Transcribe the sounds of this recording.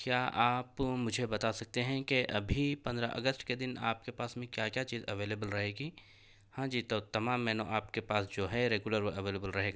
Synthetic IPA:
kjaːʔaːpmʊd͡ʒʱebɐt̪asɐk̚t̪eɦɛ̃keʔɐbʱipɐ̃nd̪ɾaʔɐ̰ɡəsʈked̪ɪna̰ːp̚kepaːsmẽkjaːkjat͡ʃiːzɐʋeːleːbəlɾɐɦeːɡiː | hãːd͡ʒiːt̪ot̪ɐmaːmːɛːnõʔaːpkepaːsd͡ʒoːɦɛɾeːɡjʊləɾʋoʔɐʋeːleːbəlɾɐɦeːɡaː

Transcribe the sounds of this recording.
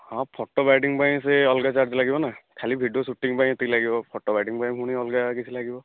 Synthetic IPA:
hɔ̃pʰɔʈːɔbajʈiŋpaj̃seɔlɡat͡ʃaɾd͡ʒlaɡibɔnakʰalibʱiɖiosuʈːiŋpaj̃et̪ilaɡibɔpʰɔʈːɔbajɖiŋpaj̃ɦuɽ̃iɔlɡakit͡ʃʰilaɡibɔ

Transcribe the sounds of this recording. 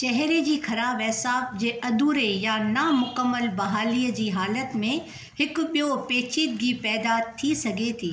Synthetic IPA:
t͡ɕɛɦɾed͡ʑiːkʰɐɾaːbɛɦsaːfd͡ʑeːʔɐd̪uːɾejanamʊkəmːəlbɐɦaːliːəd͡ʑiːɦaːlət̪mẽ | hɪkʊɓijopeːt͡ɕiːd̪̚ɡiːpɛːd̪at̪ʰːisɐɡʱet̪ʰiː

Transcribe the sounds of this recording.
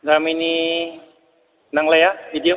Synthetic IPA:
ɡɾamini | naŋlajabidijo

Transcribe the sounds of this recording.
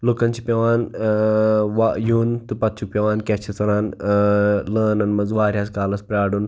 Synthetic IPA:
loːkɐnt͡ʃʰipʲeʋaːn | ʋajuːnt̪upɐt̪̚t͡ʃʰuk̚pʲeʋaːnkʲɛt͡ʃʰit͡sɐɾaːn | ləːnɐnmɐzʋaːɾʲjaːskaːlɐspɾʲaːɽuːn

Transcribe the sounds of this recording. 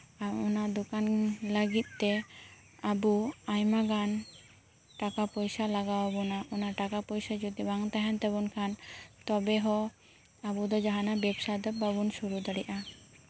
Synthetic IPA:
aɾɔnad̪ɔkanləɡit̪̚ˀt̪ɛ | abuajmaɡan | ʈakapɔjsalaɡawabɔnaʔɔnaʈakapɔjsad͡ʒɔd̪ibaŋt̪aɦɛnt̪ɛbɔnkʰant̪ɔbɛɦɔ | abud̪ɔd͡ʒaɦanabɛbsad̪ɔbabunsuɾud̪aɽɛʔa

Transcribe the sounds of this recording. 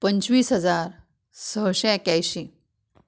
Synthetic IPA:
pəɲt͡ɕʋiːsɦəd͡zaɾ | səɦɕɛ̃ekjajɕĩ

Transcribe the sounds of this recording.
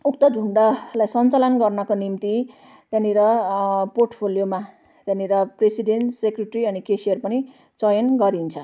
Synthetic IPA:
uk̚t̪ʌd͡zʱuɳɖalajsʌnt͡salʌnɡʌrnʌkonimt̪i | t̪janiɾʌporʈpʰoljoma | t̪janiɾʌpresiɖenʈsekreʈriʌnikesijʌrpʌni | t͡sʌjʌnɡʌɾint͡sʰʌ

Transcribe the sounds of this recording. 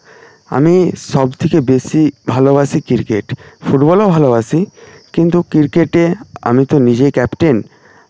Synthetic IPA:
a̰miʃɔbt̪ʰekebeʃibʱaloasʰikiɾkeʈfuʈbɔlobʱaloasʰikint̪ukiɾkeʈea̰mit̪onid͡ʑekɛpʈen

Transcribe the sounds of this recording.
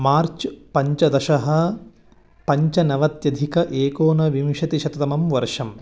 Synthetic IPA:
maːɾt͡ʃpɐɲt͡ʃɐd̪ɐʃɐɦɐ̆ | pɐɲt͡ʃɐnɐʋɐt̪jɐd̪ʱikɐʔeːkoːnɐʋimʃɐt̪iʃɐt̪ɐt̪ɐmɐmʋɐɾʂɐm

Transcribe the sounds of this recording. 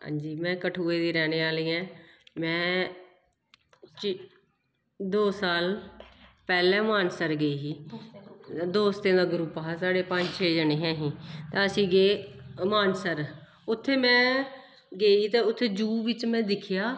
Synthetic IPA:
ɦã̰ːɲd͡ʒiːmɛ̃ːkəʈʰuːeːd̪iːɾɛːneːaːliːɛ̃ː | mɛ̃ː | t͡ʃ | d̪oːsaːl | pɛːlɛ̃ːmaːnsəɾɡeiːɦiː | d̪oːst̪ẽːd̪aːɡʊɾupaːaːsaːɽeːpəɲd͡ʒt͡ʃʰeːd͡ʒəneːɦɛ̃ːɦĩːt̪ẽːəsĩːɡeːmaːnsəɾ | ʊt̪ʰːeːmɛ̃ː | ɡeːiːt̪eːʊt̪ʰːeːd͡ʒuːʋɪt͡ʃmɛ̃ːd̪ɪkʰɪjaː

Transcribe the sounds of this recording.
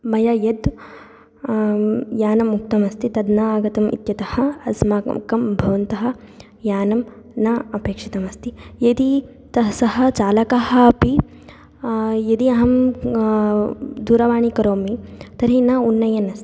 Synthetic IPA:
mɐjɐjɐd̪ | jaːnɐmːuk̚t̪ɐmɐst̪it̪ɐd̪naaːɡɐt̪ɐmḭt̪jɐt̪ɐhɐ̆ɐsmaːkɐmbʱɐʋɐnt̪ɐɦɐ̆ | jaːnɐm | naɐpeːkʂit̪ɐmɐst̪ijɐd̪i | t̪ɐsɐɦɐ̆t͡ʃaːlɐkaɦɐ̆ːpi | jɐd̪iɐɦɐm | d̪uːɾɐʋaːɳikɐɾoːmit̪ɐɾinɐunːɐjɐnɐst̪i̥

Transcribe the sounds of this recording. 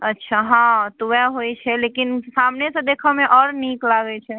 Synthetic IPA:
ətːʃʰaɦãt̪uaɦojt͡ʃʰɛlekinsamnesẽd̪ekʰəmeʔɔɾniklaɡɛt͡ʃʰɛ

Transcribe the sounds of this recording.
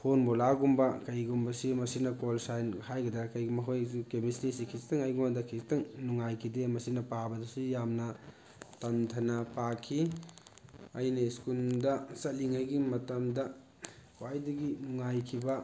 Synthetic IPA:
pʰonbolaɡumbɐkɐjɡumbɐsimɐsinɐkolsajnhajɡɐdaɾkɐjɡumɐɦojsukemistisikʰistɐŋajɡumadɐkʰistɐŋnuŋajkʰidemɐsinɐpabɐdɐsijamnɐ | tɐntʰɐnɐpakʰi | ɐjnɐskuldɐsɐliŋajɡimɐtɐmdɐ | kwajdɐɡinuŋajkʰibɐ

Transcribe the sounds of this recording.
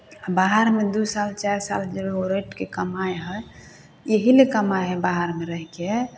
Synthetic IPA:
abaɦaɾmed̪usalt͡ʃaɾsa̰ld͡ʒebeoɾeʈkekəmajɦə | jeɦilekəmajɦəbaɦaɾmeɾəɦke

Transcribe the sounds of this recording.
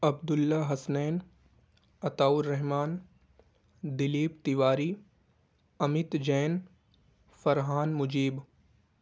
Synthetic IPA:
ɐb̚d̪ʊlːaɦɐsnɛːn | ɐt̪aːʊɾːɛɦmaːn | d̪ɪliːpt̪iʋaːɾiː | ɐmɪt̪d͡ʒɛːn | fɐɾɦaːnmʊd͡ʒiːb

